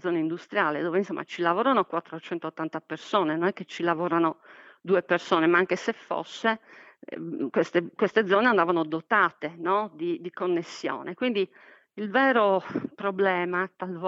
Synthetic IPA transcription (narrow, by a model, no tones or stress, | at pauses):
d̪zɔːnaind̪ust̪ɾjaːled̪ɔːveinsɔmːʔa̰t͡ʃilavɔːɾanokwat̪ːɾot͡ʃɛnt̪oːt̪ːant̪apersɔːnenɔnɛkːet͡ʃilavɔːɾanod̪uːepersɔːnemaaŋkesefːɔ̰sːe | kwest̪ekwest̪ed̪zːɔːneand̪avanod̪ɔt̪aːt̪enɔd̪id̪ikonːesːjɔ̰ːnekwind̪i | ilvɛːɾopɾɔblɛːmat̪alvɔ